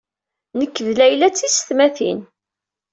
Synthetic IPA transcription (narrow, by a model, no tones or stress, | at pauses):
nəkːðlæjlæt͡sːisθmæθḭn